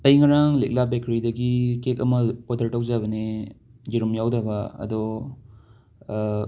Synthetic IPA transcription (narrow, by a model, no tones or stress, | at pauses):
tɐjŋɐɾaŋlek̚labekɾidɐɡikek̬̚ɐmɐodɐɾtɐwzaβɐne | d͡ʒiɾumjawdɐbɐɐ̰do